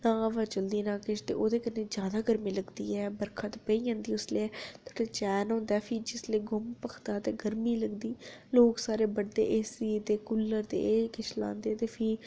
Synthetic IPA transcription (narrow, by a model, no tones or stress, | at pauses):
nãːʋaːt͡ʃəld̪iːnãːkɪʃt̪ḛːoːd̪eːkəneːd͡ʒjaːd̪aːɡəɾmiːləɡd̪iːɛːbəɾkʰət̪pəiːãːnd̪iːʊsleːɛːt̪ʰʊɽeːt͡ʃɛːnɦõːnd̪aɛːpʰɪd͡ʒɪsleːɡʊmpəkʰd̪aːt̪eːɡəɾmiːləɡd̪iːloːksaːɾeːbəɽɖ̪ḛːʔeːsiːt̪eːkʊlːəɾt̪ḛːeːkɪt͡ʃʰlã̰ːnd̪eːɛːt̪eːpʰɪː